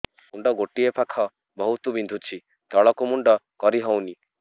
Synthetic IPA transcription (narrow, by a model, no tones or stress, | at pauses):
uɳɖɔɡoʈiepʰakʰɔ | bɔɦut̪ubind̪ʱut͡ʃʰi | t̪ɔɭɔkumuɳɖɔkɔɾiɦɔwni